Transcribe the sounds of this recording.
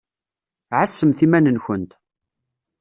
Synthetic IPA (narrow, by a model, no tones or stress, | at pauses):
ʕasːəmθimænənçənt̪